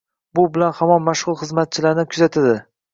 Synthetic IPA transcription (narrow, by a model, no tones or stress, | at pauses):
bʊbɪlanhamɒnmaʃʁʊlˠχɨzmat̪̚t͡ʃʰɪlaɾnɪkʰʊzat̪ʰad̪ɪ